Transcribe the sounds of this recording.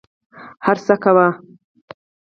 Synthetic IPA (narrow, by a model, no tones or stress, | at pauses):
haɾsakawa